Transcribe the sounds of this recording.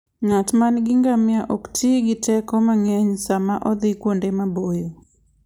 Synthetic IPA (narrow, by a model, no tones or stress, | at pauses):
ɲatmanɡɪŋɡamjaʔoktʰiɡɪtɛkɔmaŋɛɲsamaʔɔd̪ɪkwondemabojo